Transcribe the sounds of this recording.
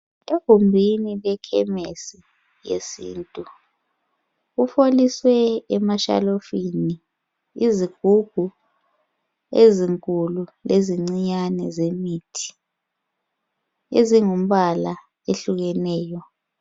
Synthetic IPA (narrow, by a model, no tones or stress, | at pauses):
ehumbʱinilɛkʰɛmesi | jḛsḭːntʼu | ufoliswɛːmaʃa̰lofini | iziɡ̥ʱuɡ̥ʱu | eziŋkʼululeziŋ͡ǀiɲanɛzemiːtʰi̥ | eziŋum̩ɓala | eɬuɣ̬ɛnɛːjɔ